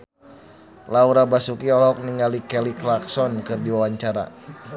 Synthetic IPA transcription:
lauɾabasukiɔlɔk̚niŋɡalikɛliklaksɔnkɨrdiwawaɲt͡ʃaɾa̰

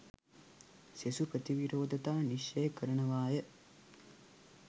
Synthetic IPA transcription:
sesupɾɐt̪iʋiɾoːd̪ʱɐt̪aːniʃːɐjɐkɐɾɐɳɐʋaːjɐ

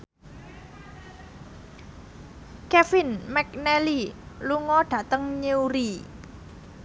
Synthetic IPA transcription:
kɛfɪnmɛk̚nɛliluŋɔɖ̥ä̤t̪əŋɲeuɾi

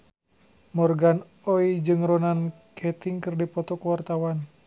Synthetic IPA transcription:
mɔrɡan | ɔid͡ʒɨŋrɔnankʰɛt̪iŋkɨrdipɔt̪ɔkwart̪awan

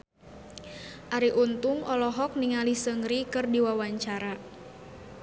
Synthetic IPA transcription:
ʔaɾiʔunt̪uŋɔlɔɦɔk̚niŋalisəŋɾikɨrdiwawaɲt͡ʃaɾa

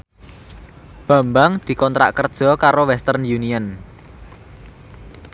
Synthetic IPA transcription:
b̥a̤mbaŋd̪̥i̤kɔnt̪ɾa̰ʔkərd̥ʒ̥ɔ̤kaɾowɛst̪ərnjuniən

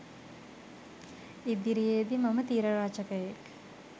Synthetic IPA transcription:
id̪iɾijed̪imɐmət̪iːɾəɾaːt͡ʃəkəjek

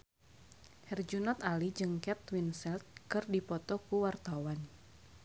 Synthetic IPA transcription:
hɛrd͡ʒunɔt̪alid͡ʒɨŋkɛt̪winsɛlt̪̚kɨrdipɔt̪ɔkuwart̪awan

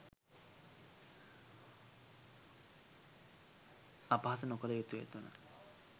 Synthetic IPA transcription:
apaɦasənokəɾəjot̪ujḛt̪unə̰

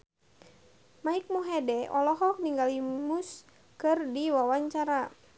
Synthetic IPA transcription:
maik̚muɦɛdɛʔɔlɔɦɔk̚niŋɡalimus | kɨrdiwawaɲt͡ʃaɾa

